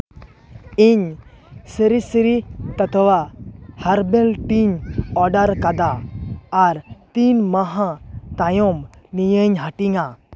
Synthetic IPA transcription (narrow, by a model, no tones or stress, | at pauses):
iɲ | səɾisɾit̪ɐt̪ʰwahɐɾbeltiɲɔɖaɾkad̪aː | ɾt̪inmaɦãt̪ajɔmnijəɲɦaʈiŋa